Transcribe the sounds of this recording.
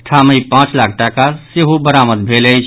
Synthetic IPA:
ʈʰaməjpãt͡ʃlakʰʈakaseɦubəɾaməd̪bʱeləjt͡ʃʰ

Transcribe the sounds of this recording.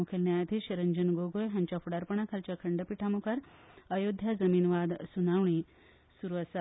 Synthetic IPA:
ukʰelnjajt̪ʰiʃɐɾɐɲd͡ʒənɡoɡojɦɐɲt͡ʃafʰuɽaɾpɐɳ̃akʰɐlt͡ʃakʰɐɳɖəpiʈʰamukaɾəjod̪ʱjazɐmiːnʋad̪sunawɳi | suɾʋasa

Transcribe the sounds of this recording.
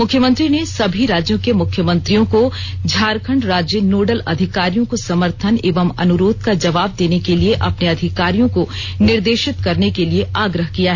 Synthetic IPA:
mʊkʰjəmə̃nt̪ɾinesɐbʱiɾaːd͡ʒjõkemʊkʰːjəmɐ̃nt̪ɾijõkod͡ʒʱaːɾkʰəɳɖɾaːd͡ʒjənoːɖəlɐ̰d̪ʱɪkaːɾijõkosɐməɾt̪ʰənḛːʋəmɐ̰nʊɾoːd̪̚ʱkad͡ʒɐʋaːb̚d̪eːnekelieʔɐpneɐd̪ʱɪkaːɾijõkonɪɾd̪eːʃɪt̪kɐɾnekelieʔaːɡɾəɦkijaɦɛ

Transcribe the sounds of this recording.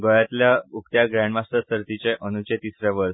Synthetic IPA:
ɡojat̪ljaukt̪jaɡɾaɳmast̪əsəɾt̪it͡ɕeʔənut͡ɕet̪isɾaʋəɾs

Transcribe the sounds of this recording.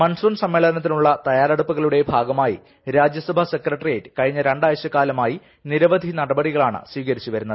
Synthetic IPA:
mɐnsuːnsɐmːeɭɐɐnɐt̪ːinuɭːɐt̪ɐjaːɾɐɽupːuɣɐɭuɽe̞bʱaːɡɐmaːjḭ | ɾaːd͡ʑjɐsɐbʱɐse̞krɐʈːrijeːʈːɨ̥kɐɻiɲːɐɾeɳɖaːjɐɕjɐkːaːlɐmaːji | niɾɐʋɐd̪ʱinɐɽɐbɐɽiɣɐɭaːɳɨ̰sʋiːkɐɾit͡ɕːuʋɐɾunːɐðɨ

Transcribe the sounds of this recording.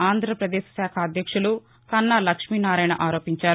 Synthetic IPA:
aːnd̪ʱɾɐpɾɐd̪eːʃsaːkʰaːd̪ʱjɐkʂulu | sɐnːalɐkʂmiːnaːɾajɳɐʔaːɾo̞ːpiɲt͡ʃaːɾ

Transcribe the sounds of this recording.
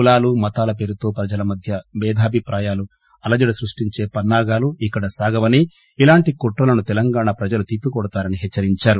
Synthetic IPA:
ulaːlumɐt̪aːlɐpe̞ːɾut̪o̞ːpɾɐd͡ʒɐlɐmɐd̪ʱjɐʋɛːd̪ʱaːbʱipɾaːjaːlu | ɐlɐd͡ʒɐɽɐsɾuʂʈiɲt͡ʃe̞ːpɐnːaːɡaːluikːɐɽɐsaːɡɐʋɐni | ilaːɳʈikoʈɾɐlɐnut̪ɛlɐŋɡaːɳaːpɾɐd͡ʒɐlut̪ipːukɔɽɐt̪aːɾɐniɦɛt͡ʃːɐɾiɲt͡ʃaːɾu

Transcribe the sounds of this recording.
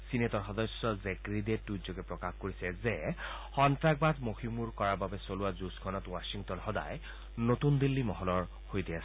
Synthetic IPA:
sinetɔɹxɔd̪ɔsjɔzekɹidetːuzɔkɛpɹɔkaxkoɹisɛzɛ | xɔntɹak̚bazmohimuɹkɔɹababɛsoluwazusɡʰɔnɔtwasiŋtɔnxɔda̰j | not̪und̪ilːimɔɦɔlɔɹ | hojdias

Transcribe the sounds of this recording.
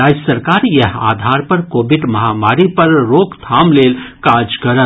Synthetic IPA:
aːd͡ʒəsəɾkaːɾjəɦa̰d̪ʱaːɾpəɾkoːbiɖmɐɦamaːɾipəɾːokt̪ʰamlelkad͡ʒkəɾə

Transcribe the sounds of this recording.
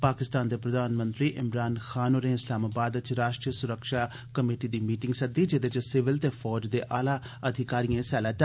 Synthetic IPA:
paːkɪst̪aːnd̪eːpɾəd̪aːnmə̃nt̪ɾiːʔɪmɾaːnxʰaːnoːɾẽːɪslaːmaːbaːd̪ət͡ʃɾaːʃʈɾiːəsʊɾəkʃaː | kəmeːʈiːd̪iːmiːʈɪ̃ŋɡsəd̪iːd͡ʒed̪eːt͡ʃsɪʋɪlt̪eːfʰɔːd͡ʒd̪eːʔaːlaː | əd̪ʱɪkaːɾijãːsɛːlaːt̪

